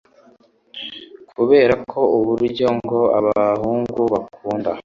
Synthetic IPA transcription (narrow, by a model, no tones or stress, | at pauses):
kʰuβe̞ːɾakʰo̞uβuɾɟo̞ŋɡo̞a̰βaahuːŋɡuβakʰuːnda